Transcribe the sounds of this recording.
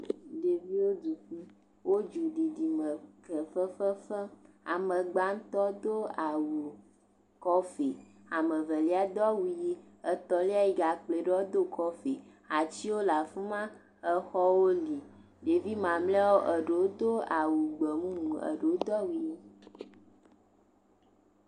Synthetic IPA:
ɖe˨vi˦wo˦du˨ki˦ | wo˦d͡ʒu˨ɖi˨di˨mə˨kɛ˨fə˦fə˦fə˦ | a̰˨mə˨ɡ͡ba˦ŋ̩˦t̪ɔ˦d̪o˦a˨wu˨ | kɔ˦fe˨ | a˨mə˨və˨li˦a˦d̪ɔ˦wu˨ji˦ | ə˦t̪ɔ˨li˦a˦ji˨ɡa˨k͡ple˨ɖe˦o˦d̪o˦kɔ˦fe˨ | a˨t͡ɕi˦wo˦la˨fũ˦mã˦ | ə˨xɔ˦wo˦li˨ | ɖe˨vi˦mã˨mle˦wo˦ʔə˨ɖe˨wo˦d̪o˦a˨wu˨ɡ͡bə˨mũ˦ŋũ˨ə̰˨ɖe˨o˦d̪ɔ˦wu˨ji˦

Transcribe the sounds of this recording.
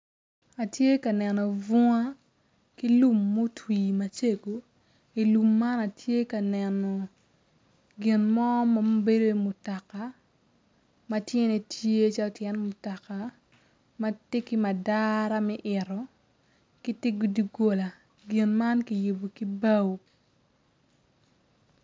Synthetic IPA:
a˨tje˦ka˨nɛ˨nɔ˨vɔ˦ŋa˦ | ki˦lu˦˨mːo˦twiː˨ma˨t͡ʃe˦ɡo˨ | i˨lu˨mːa˦na˨tʰje˦ka˨nɛ˨nɔ˨ | ɡɪ˨nmɔ˦ma˦m˦be˦do˦i˨mʊ˨ta˨ka˨ | ma˦tje˦ne˨tje˦t͡ʃa˦lɔ˦tjɛ˦nmʊ˨ta˨ka˨ | ma˦te˦ki˦ma˨daɾa˦mɛ˦ʔɪ˨ɾɔ˨ | ki˦tɪ˦ɡu˨di˨ɡo˨la˨ | ɡɪ˨nma˦nki˨ju˨bo˨ki˦ba˦w

